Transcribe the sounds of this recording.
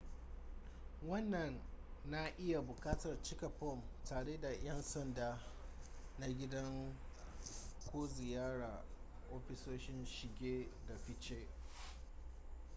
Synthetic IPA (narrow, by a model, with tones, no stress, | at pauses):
wɐ˦nːɐ˨nːa˦ʔɪ˦ja˨bʊ˨kaː˦tɐ˨rt͡ʃɪ˦kɐ˨ɸɔ˦˨mtaː˨ɽeː˦da˨j̰ɐ˦nsɐ˦ndaː˨ | na˦ɡʲɪ˦dɐ˦ŋ | kʷoː˦zɪ˨jaː˦ɽaː˨ | ʔoː˦ɸɪ˦soː˦ʃɪ˦nʃɪ˨ɡʲeː˦da˨ɸɪ˦t͡ʃe˦